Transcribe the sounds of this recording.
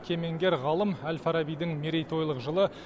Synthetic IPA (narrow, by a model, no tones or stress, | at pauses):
kʲʰe̞me̞ŋɡʲe̞ɾʁɑlˠəmælfaɾabijd̪ɪŋmeɾe̞jt̪ʰo̞jlˠəqʒəlˠə